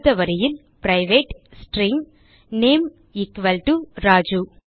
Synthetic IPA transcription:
ðɐʋɐɾɐjɪn | pɾɐɪʋeːʈsʈɾɪŋ | neːm | ɪkʋɐlʈuɾaːd͡ʒu

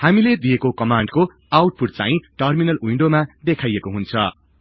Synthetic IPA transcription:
hamiled̪iekokʌmaɳɖko | awʈ̚pʰuʈ̚t͡saĩʈʌrminʌliɳɖomad̪ekʰajekoɦunt͡sʰʌ

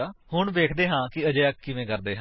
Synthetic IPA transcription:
aːhʊɳʋeːkʰd̪eːɦãːkɪəd͡ʒeːəkːɪʋẽːkəɾd̪eːɦãː

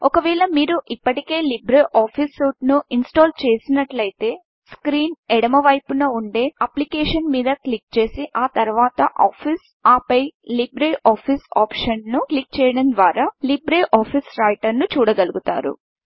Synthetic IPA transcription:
ɔkɐʋɛːɭɐmiːɾuʔipːɐʈike̞ːlibɾeʔaːpʰisːuːʈnuʔinsʈoːlt͡ʃeːsinɐʈlɐjt̪e̞ː | skɾiːnɛɽɐmɐʋɐjpunɐuɳɖeːɐplikeːʂɐnmiːd̪ɐklik̚t͡ʃe̞ːsiʔaːt̪ɐɾʋaːt̪ɐʔaːpʰis | aːpɐjlibɾeʔaːpʰisaːpʂɐnnuklik̚t͡ʃɛːjɐɽɐnd̪ʋaːɾaːlibɾeʔaːpʰisɾɐjʈɐɾnut͡ʃuːɽɐɡɐluɡut̪a̰ːɾṵ

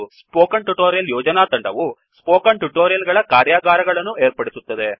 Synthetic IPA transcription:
spoːkɐɳʈuʈoːɾjɐljɔːd͡ʒɐnaːt̪ɐɳɖɐʋu | spoːkɐɳʈuʈoːɾjɐlɡɐɭɐkaːɾjaːɡaːɾɐɡɐɭɐnːueːɾpɐɽisut̪ːɐd̪e

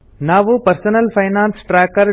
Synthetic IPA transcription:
naːʋupɐɾsonɐlfʰajnãːnsʈɾɛːkɐɾ

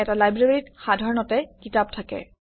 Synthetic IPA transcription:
ɛtalajbɹaɹitxadʱɔɹɔnɔtɛkitap̚tʰakɛ̰

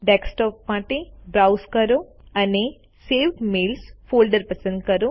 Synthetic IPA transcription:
ɖeksʈoːpmaːʈibɾɐwskɐɾu | ɐne | seːwʈmeːlsfoːlɖɐɾpɐsɐɳʈkɐɾu

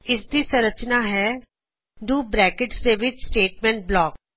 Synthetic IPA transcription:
ɪsd̪iːsəɾət͡ʃnaːɦɛː | ɖuːbɾɛːkɪʈsd̪eːʋɪt͡ʃsʈeːʈmɛ̃ːɳʈ̚blɔːk̚

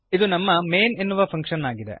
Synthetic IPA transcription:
id̪unɐmːɐme̞ːnenːuʋɐpʰɐŋkʂɐnːaːɡid̪ḛ

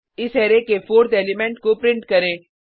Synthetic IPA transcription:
ɪsɦɛːɾekefoːɾt̪eːlimɛ̃ɳʈkopɾɪ̃ɳʈkɐɾẽː

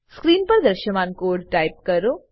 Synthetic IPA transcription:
skɾiːnpɐɾd̪ɐɾʃəmaːnkoːɾɖʈaːɪp̚kɐɾoː

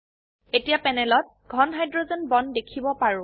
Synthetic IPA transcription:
etijapɛnɛlɔt̚ɡ̥ʱɔnɦajdɹozɔnbɔndekʰibɔpaɹʊ̃

